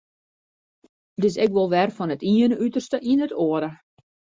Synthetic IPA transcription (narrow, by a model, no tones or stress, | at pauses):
dɪs̬ɛkʋolˠʋɛrfɔnətiənəytərstəʔinətʰoəɾə